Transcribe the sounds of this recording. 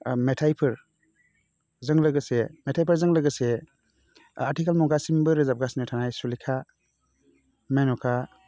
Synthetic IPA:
metʰajpʰɯɾ | zɯŋlɯɡɯsemetʰajpʰəɾzɯŋlɯɡɯse | atikalmɔɡasimbɯɾɯzap̚ɡasnɯtʰanajsulikʰa | menɔkʰa

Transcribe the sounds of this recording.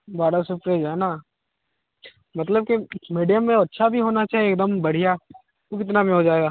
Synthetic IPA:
baːɽasʊpɾed͡ʒaːɛna | mɐt̪ləb̚kimiːɖijəmːẽɐtːʃʰabʱiɦoːnat͡ʃaːɦieːk̚d̪əmbɐɽ̤ija | okɪt̪nabʱiɦod͡ʒaːeːɡaː

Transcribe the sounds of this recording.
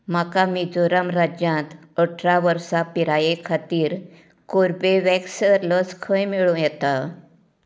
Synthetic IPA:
makamid͡zoɾamɾad͡ʑjãt̪ | əʈʰɾaʋəɾsapiɾajekʰat̪iːɾ | koɾpeʋɛksəɾləskʰə̃jmiɭũjɛt̪a

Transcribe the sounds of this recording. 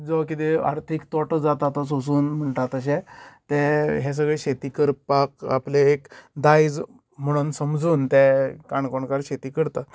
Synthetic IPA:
d͡zɔkit̪ea̰ɾt̪ʰikt̪ɔʈəd͡zat̪at̪ɔs̬os̬uːnm̤əɳʈ̪at̪əɕ̬ẽt̪ɛ̃ɦɛs̬əɡɭeɕet̪iːkəɾpaka̰pleekd̪ajd͡z | m̤əɽ̃uːnsəmd͡zuːnt̪ɛkaɳkɔɳkaɾɕet̪iːkəɾt̪a

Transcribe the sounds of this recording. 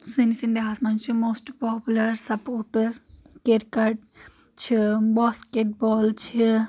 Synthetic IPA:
sinisind̪iɦasmɐnt͡ʃʰimoːsʈpɔpjulɐɾsɐpoʈəs | keɾkɐɖ | t͡ʃʰibaskeʈ̚bɔːlt͡ʃʰi

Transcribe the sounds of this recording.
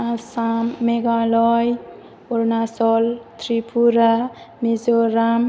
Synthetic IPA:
asamːeɡalɔj | ɔɾnasɔlt̪ʰɾipʰuɾa | mizoɾam

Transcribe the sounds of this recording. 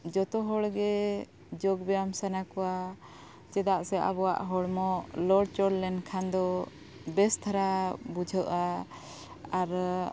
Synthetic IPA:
d͡ʒɔt̪ɔɦɔɽɡɛ | d͡ʒɔɡbɛjamsanakɔwa | t͡ʃɛd̪aʔsɛʔa̰bɔwa̰ʔɦɔɽmɔlɔɖ̚t͡ʃɔɽlɛnkʰand̪ɔ | bɛst̪ʰaɾabud͡ʒʱəʔa | aɾ

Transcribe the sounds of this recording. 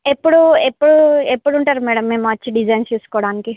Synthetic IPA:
epːuɽuepːuɽuepːuɽuɳʈaːɾumɛːɽɐmːeːmaɐt͡ʃːiɖid͡ʒɐjnsjuːsu̥koːɽaːniki

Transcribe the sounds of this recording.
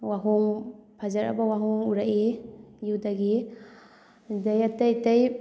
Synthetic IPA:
waɦuŋpʰazaɾa̰bawaɦɔŋuɾaʔejudaɡi | dajatajtaj

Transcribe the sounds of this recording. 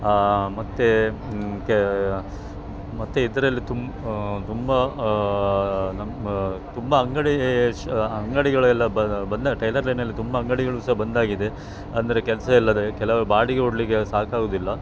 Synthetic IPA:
mɐt̪ːe | k | mɐt̪ːeid̪ɐɾɐlːit̪um | t̪umbɐ | nɐt̪umbɐɐŋɡɐɽi | ɐŋɡɐɽiɡɐɭɛlːɐbbɐnd̪aʈɾɐjlɐɾlɐjnɐlːit̪umbɐɐŋɡɐɽiɡɐɭusɐɦɐbɐnd̪aːɡid̪e̞ | ɐnd̪ɐɾe̞kɛlɐsɐɛlːɐd̪ekɛlɐʋɐbaːɽiɡeoɽliɡe̞saːkaːɡuːd̪ilːɐ

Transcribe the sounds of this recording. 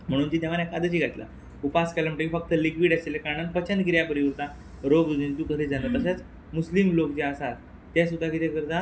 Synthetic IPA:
m̤əɽ̃uːnd͡ʑiːt̪eɛʋanekad̪ət͡ɕiːɡʱat̪la̰ | upaskɛlam̤əʈəkifək̚t̪əlikʋiːɽaselekaɾɳanpət͡ɕənɡiɾjapəɾiʋuɾt̪a | ɾoɡd̪ud͡ʑint̪ukəɾid͡zanət̪əɕ̬at͡s | muslimlokd͡ʑeasat̪ | t̪es̬ud̪ʱːaɡiɾjakəɾd̪ʱa

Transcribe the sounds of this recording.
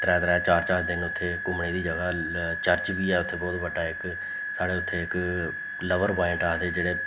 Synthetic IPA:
t̪ɾɛːt̪ɾɛːt͡ʃaːɾt͡ʃaːɾd̪ɪnʊt̪ʰːeːkʊmɳeːd̪iːd͡ʒəɡaːt͡ʃəɾt͡ʃbiːɛːʊt̪ʰːeːbɔːt̪bəɖaːɪk | saːɽeːʊt̪ʰːeːɪk | ləʋəɾbaːɪ̃ɳʈaːd̪eːd͡ʒeːɽeː

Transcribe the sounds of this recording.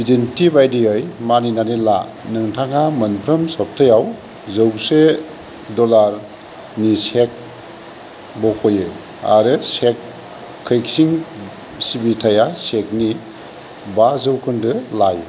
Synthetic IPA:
bidintʰibajdiɯjmaninanila̰nɯŋtʰaŋamɯnpʰɾɯmsɔp̚tʰɯjaw | zɯwse | dɔlaɾ | nisek̚ | bɔkʰɔje | a̰ɾɯsek̚ʰː | ɯjk̚siŋ | sibitʰajasek̚ni | bazɯwkʰɯndɯlaj

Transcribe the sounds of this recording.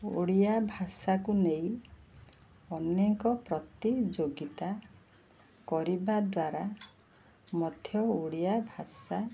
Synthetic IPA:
o̰ɽijabʱasakunej̃ | ɔneŋkɔpɾɔt̪id͡ʒoɡit̪a | kɔɾibad̪waɾa | mɔd̪ʱjɔoɽijabʱasa

